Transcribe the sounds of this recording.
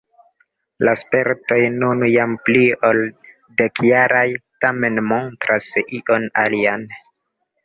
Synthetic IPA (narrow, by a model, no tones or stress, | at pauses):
laspe̞ɾto̞jnunjamplio̞l | dekjaɾajtame̞nmo̞ntɾʔasʔiʔo̞nalian